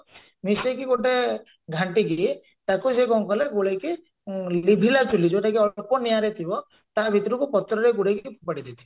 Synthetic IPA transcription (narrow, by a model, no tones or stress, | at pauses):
misekiɡoʈe | ɡʱaɳʈiɡe | t̪akusekɔw̃ŋkɔleɡuɽejki | libʱilat͡ʃulid͡ʒoʈakiɔpɔnijaɾet̪ʰibɔ | t̪abʱit̪ɔɾukupɔt̪ɾɔɾeɡuɽejkipʰupaɽid̪it̪ʰi̥